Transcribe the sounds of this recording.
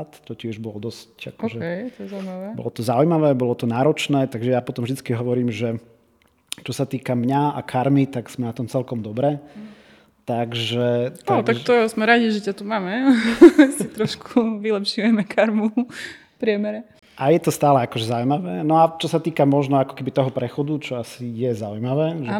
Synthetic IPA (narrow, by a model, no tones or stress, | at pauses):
t̪tɔcɪɛʒbɔld̪ɔsca̰kɔʒɛɛjt̪ɔɛzawmaʋɛːbɔ̰lɔt̪ɔzaujmaʋɛːbɔlɔt̪ɔnaːɾɔt͡ʃnɛːt̪aɡʒɛjapɔt̪ɔmvʒd̪it͡skiɦɔʋɔɾiːmʒɛ | t͡ʃɔsat̪iːkamɲaa̰kʰaɾmit̪aɡz̥mɛnat̪ɔmt͡sɛlkɔmd̪ɔbɾɛ | t̪aɡʒɛt̪aɡ̪t̪akt̪ɔzmɛɾaɟiʒɛcat̪umaːmɛ | sit̪ɾɔʃkʰuʋilɛpʃujɛmɛkʰaɾmu | pɾɪɛmɛɾɛ | ʔajɛt̪ɔst̪aːlɛakɔʒɛzaujmaʋɛːnɔat͡ʃɔsat̪iːkamɔʒnɔakɔ̥kɛbit̪ɔɦɔpɾɛxɔd̪ut͡ʃɔasijɛzaujmaʋɛːʒɛ